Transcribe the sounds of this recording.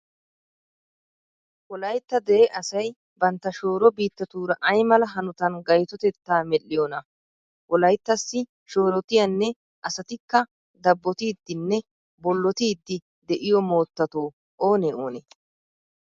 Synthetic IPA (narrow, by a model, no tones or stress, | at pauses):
wɔlɐjt̪ːɐd̪ɛʔeʔɐsɐj | bɐnt̪ːɐʃo̞ːɾɔbiːt̪ːɐt̪uːɾɐʔɐjmɐlɐɦɐnʊt̪ɐnɡɐjt̪ɔt̪ɛt̪ːaːmɛlːɪjɔːnɐ | wɔlɐjt̪ːɐsːɪ | ʃo̞ːɾɔt̪ɪjɐnːɛ | ʔɐsɐt̪ɪkːɐ | d̪ɐbːɔt̪iːd̪ːɪnːɛ | bɔlːɔt̪iːd̪ːɪ | d̪ɛʔɪjɔmo̞ːt̪ːɐt̪o̞ː | ʔoːneo̰ːnḛ